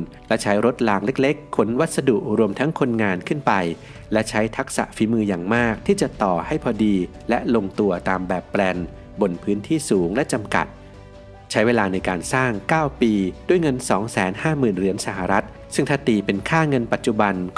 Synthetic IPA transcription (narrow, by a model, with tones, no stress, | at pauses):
lɛ˦˥t͡ɕʰa˦˥jɾo˦˥t̪̚laː˧ŋle˦˥k̚le˦˥kʰːo˩˦nwa˦˥t̪̚sa˧du˨˩ʔɾu˧əmt̪ʰa˦˥ŋkʰo˧nŋaː˧nkʰɯ˥˩npa˧j | lɛ˦˥t͡ɕʰa˦˥jt̪ʰa˦˥k̚sa̰˨˩ʔfiː˩˦mɯː˧jaː˨˩ŋmaː˥˩k̚t̪ʰiː˥˩t͡ɕa˨˩ʔt̪ɔː˨˩ha˥˩jpʰɔː˧diː˧ | lɛ˦˥ʔlo˧ŋt̪u˧ɐt̪aː˧mbɛː˨˩pːlɛ˧n | bo˧npʰɯː˦˥nt̪ʰiː˥˩suː˩˦ŋlɛ˦˥ʔt͡ɕa˧mka̰˨˩t̪̚ | t͡ɕʰa˦˥jweː˧laː˧na˧jkaː˧nsaː˥˩ŋkaː˥˩wpiː˧du˥˩jŋɤ˧nsɔː˩˦ŋsɛː˩˦nhaː˥˩mɯː˨˩nɾɯ˩˦ənsa˧˦ɦa˨ɾa˦˥t̪̚ | sɯ˥˩ŋt̪ʰaː˥˩t̪iː˨˧pe˧nkʰaː˥˩ŋɤ˧npa˨˩t̪̚t͡ɕu˨˩ba˧n